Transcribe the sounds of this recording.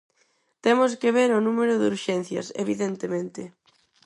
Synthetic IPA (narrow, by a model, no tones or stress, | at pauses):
t̪emʊs̬kɪβ̞eɾʊnumeɾʊðuɾʃɛn̟θjɐ̰sḛβ̞iðent̪emẽnt̪ɪ